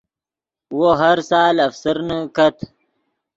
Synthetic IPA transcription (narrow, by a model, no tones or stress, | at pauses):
woɦaɾsɑːlɐfsəɾnakat̪